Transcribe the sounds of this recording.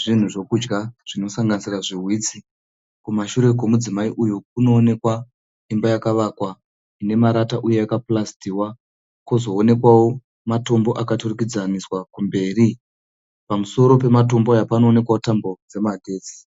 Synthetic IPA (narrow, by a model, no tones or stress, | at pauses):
ʐ̥in̤uʐo̞kud͡ʒɡaʐ̥ino̞saŋɡanisiraʐirwiːt͡si | kumaʃuɾe̞ko̞mud͡zimaiʔujuk̚uno̞ːne̞kwa | imbajakaʋakwa | ne̞maɾataʔuje̞akaplastiwa | kozo̞ːne̞kwawo̞ | mato̞mbo̞ʔakaturikid͡zaniswakumbe̞ːri | pamuso̞ɾo̞p̬e̞mato̞mbojapano̞ːne̞kwaotambod͡ze̞madʱe̞ːt͡si̥